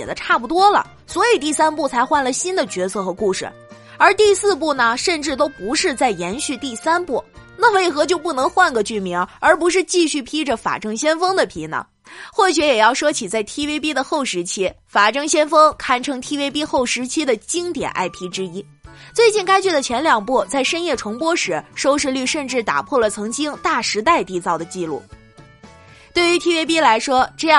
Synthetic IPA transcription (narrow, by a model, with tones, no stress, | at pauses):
ɛ˨˩d̪ə˦ʈ͡ʂʰa˥˩p̬u˧˩t̪wɔ˥lə̰˨˩ | swɔ˧˥i˨˩t̪i˥˩sa˥npu˥˩t͡sʰa˧˥ɪxwa˥˩nlə˩ɕi˥nd̪ə˨t͡ɕɥɛ˧˥sʰɤ˥˩xɤ˧˥ku˥˩ʂɻ̩̰˥˩ | ə˞˧˥t̪i˥˧sɹ̩˥˧p̬u˥˩nə˩ʂə˥˧nʈ͡ʂɻ̩˥˩t̪o˥ʊpu˧˥ʂɻ̩˥˧t͡sa˥˩ɪjɛ˧˥nɕy˥˧t̪i˥˩sa˥npu˥˩na˥˩we˥˩ɪxɤ˧˥t͡ɕjo˥˧ʊp̬u˥˩nɤ˧˥ŋxwa˥˩nɡə˧t͡ɕy˥˩mi˧˥ŋə˞˧˥p̬u˧˥ʂ̬ɻ̩˥˧t͡ɕi˥˧ɕy˥˩pʰi˥ʈ͡ʂə˨˩fa̰˨˩ʈ͡ʂɤ˥ŋɕjɛ˥nfɤ˥ŋd̪ə˨pʰḭ˧˥nə̰˧˩ | xwɔ˥˩ɕy˧˥jɛ˨˩jɑ˥˩ʊʂɤ˥t͡ɕʰi˨˩t͡sa˥˩ɪt̪ʰi˥we˥ɪpi˥d̪ə˨xo˥˩ʊʂɻ̩˧˥t͡ɕʰi˥ | fa˨˩ʈ͡ʂɤ˥ŋɕjɛ˥nfɤ˥ŋkʰa˥˩nʈ͡ʂʰɤ˧˥ŋt̪ʰi˥we˥ɪp̬i˥xo˥˩ʊʂɻ̩˧˥t͡ɕʰi˥d̪ə˨t͡ɕi˥ŋt̪jɛ̰˨˩nʔa̰˥˩ɪpʰi˧˥ʈ͡ʂɻ̩˥i˥ | t͡swe˥˧ɪt͡ɕi˥˩nka˥ɪt͡ɕɛ˥˩d̪ə˩t͡ɕʰjɛ˧˥nljɑ˨˩ŋpu˥˩t͡sa˥˩ɪʂə˥njɛ˥˩ʈ͡ʂʰɤ˧˥ŋpwɔ˥ʂɻ̩˧˥ʂo˥ʊʂ̬ɻ̩˥˧ly˥˧ʂə˥˧nʈ͡ʂɻ̩˥˩t̪a̰˨˩pʰwɔ˥˩lə˩t͡sʰɤ˧˥ŋt͡ɕi˥ŋt̪a˥˩ʂɻ̩˧˥t̪a˥˩ɪt̪i˧˥t͡sɑ˥˩ʊd̪ə˩t͡ɕi˥˧lṵ˥˩ | t̪we˥˩ɪy˧˥t̪ʰi˥we˥ɪpi˥la˧˥ɪʂwɔ˥ʈ͡ʂɤ˥˧jɑ˥˧